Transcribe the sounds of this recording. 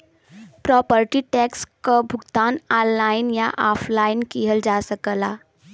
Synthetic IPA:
pɾɔpəɾʈiʈɛkskəbʱuɡt̪anɔnːainjaʔɔfʰlainkiɦəld͡ʒasəkəla

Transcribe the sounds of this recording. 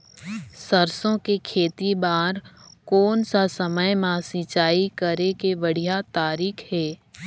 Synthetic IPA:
səɾsõkekʰeːt̪ibaːɾkoːnsasəməjmãsĩːt͡ʃaːikəɾekeʋəɽ̤ijat̪aːɾiːkʰhɛː

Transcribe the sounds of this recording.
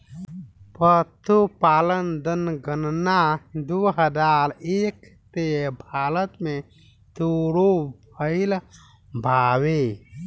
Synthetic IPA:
pət̪ʰupaːlənd̪ənɡənnad̪uɦəd͡ʒaɾeːk | t̪ebʱaːɾət̪me | t̪uɽobʱəɪl | bʱawe

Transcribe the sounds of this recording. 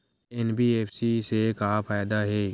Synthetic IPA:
ɛnbʱiːeːpʰsisekafʰaːjd̪aɦɛː

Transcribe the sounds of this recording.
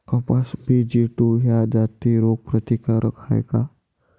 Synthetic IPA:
kɐpasbʱid͡ʒiʈuɦjad͡ʒaːt̪iɾoɡ̚pɾət̪ikaɾəkʰa̰j̰ka

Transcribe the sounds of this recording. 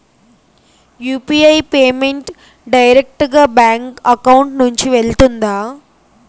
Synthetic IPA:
juːpiːɐjpeːmeɳʈ | ɖɐjɾek̚ʈɡaːbaːŋkɐkɐwuɳʈnuɲt͡ʃiʋeɭt̪und̪aː

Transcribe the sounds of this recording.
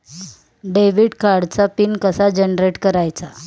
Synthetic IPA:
ɖeʋiːɽkaɾɽt͡sapinkəsad͡ʑenɾeʈkəɾajt͡sa

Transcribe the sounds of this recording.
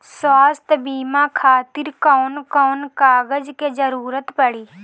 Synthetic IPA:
saːst̪biːmãːkʰaːt̪ɪɾkɔːnkɔːnkaːɡəd͡ʒkeːd͡ʒəɾuːɾət̪pəɽiː

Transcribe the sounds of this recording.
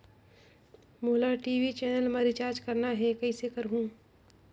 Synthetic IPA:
muːlaʈiːʋit͡ʃɛːnəlməɾɪt͡ʃaːɾd͡ʒkɐɾnaɦɛkɐisekɐɾɦũː

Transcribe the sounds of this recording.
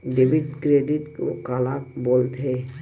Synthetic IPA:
ɖeːbɪɖkɾeːɖɪʈko̰kaːlakboːlt̪ɦɛ

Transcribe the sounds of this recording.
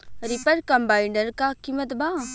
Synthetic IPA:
ɾipəɾkɐ̃mbaːɪɳɖəɾkakimət̪baː

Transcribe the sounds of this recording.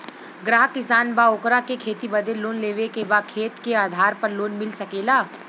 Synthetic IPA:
ɡɾaːɦkɪsaːnbaoːkɾakekʰeːt̪ibɐd̪eloːnleːʋekebakʰeːt̪keaːd̪ʱaːɾpɐɾloːnmɪlsɐkeːlaː

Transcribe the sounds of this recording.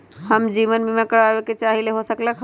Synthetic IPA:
həmd͡ʒiʋənmemekəɾabeket͡ʃaɦileɦosəkləkʰ

